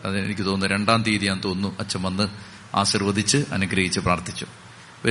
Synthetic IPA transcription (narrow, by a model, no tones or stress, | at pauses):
ɐðinḛnikʲːɨt̪o̞ːnːɨɾe̞ɳɖaːnt̪iːðijaːnt̪o̞ːnːuʔɐt͡ɕːɐmɐnːɨ | a̰ːɕirʋɐd̪ʱit͡ɕːɨʔɐ̰nuɡɾɐɦit͡ɕːɨpraːrt̪i̥t͡ɕːu | ʋɐ